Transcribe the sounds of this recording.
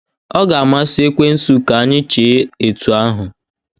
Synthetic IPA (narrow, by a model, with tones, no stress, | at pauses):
ɔ˦ɡa˨a˨ma˦sɪ˦e˦kʷe˦n̩˦su˦ka˨a˦ɲɪ˦t͡ʃe˨˦e˨tu˨a˦ɦʊ˨